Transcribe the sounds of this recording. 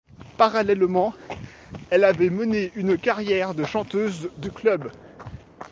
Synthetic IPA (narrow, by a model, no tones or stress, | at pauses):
paʁalɛlmɑ̃ | ɛlavɛməneynkaʁjɛʁd̪əʃɑ̃t̪øzd̪yklœb